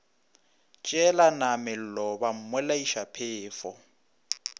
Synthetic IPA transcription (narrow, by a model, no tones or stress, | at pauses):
t͡ʃʼɛlanamɪl̩lɔbam̩mwɛlaiʃapʰɪːfɔ